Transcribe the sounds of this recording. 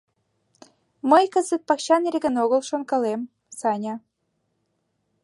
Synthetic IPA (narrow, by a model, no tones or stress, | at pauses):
məjkəzə̆t̪̚pɑkɕɑneɾʲĕɡə̆noɣə̆lˠʃŏnkɤ̆lem | sɑnʲɑ